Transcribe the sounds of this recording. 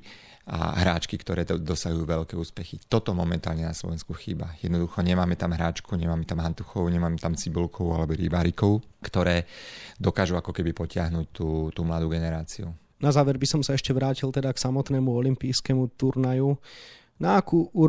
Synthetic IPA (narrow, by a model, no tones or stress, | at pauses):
a̰ɦɾaːt͡ʃkikt̪ɔɾɛːd̪ɔsaɦujuːʋɛʎkɛːuːspɛxit̪ɔt̪ɔmɔmɛnt̪a̰ːlɲɛnaslɔ̰ʋɛnskuxiːba̰jɛd̪nɔd̪uxɔɲɛmaːmɛt̪amɦɾaːt͡ʃkuɲɛmaːmɛt̪amɦant̪uxɔʊɲɛmaːmɛt̪amt͡sibulkʰɔʊalɛbɔɾibaːɾikɔʊ | kt̪ɔɾɛːd̪ɔkaːʒuakɔkɛbipɔcɪaɦnuc̚t̪uːt̪uːmlad̪uːɡɛnɛɾaːt͡siu | nazaːʋɛɾbisɔmsaɛʃcɛʋɾaːcilˠt̪ɛd̪aksamɔt̪nɛːmuɔlimpiːjskɛmut̪uɾnaju | naakuːu